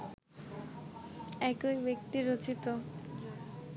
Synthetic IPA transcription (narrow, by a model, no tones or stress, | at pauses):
ɛkojbekt̪iɾot͡ɕit̪o